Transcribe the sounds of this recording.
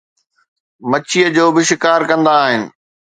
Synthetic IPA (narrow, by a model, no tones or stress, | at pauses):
mɐt͡ɕʰiəd͡ʑoːbɪʃɪkaːɾkɐ̃nd̪aːɦɪnɪ̆